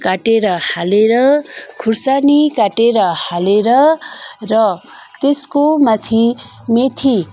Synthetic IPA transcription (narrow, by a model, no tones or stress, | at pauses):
kaʈeɾʌhaleɾʌkʰursanikaʈeɾʌhaleɾʌrʌ | t̪eskomat̪ʰi | met̪ʰi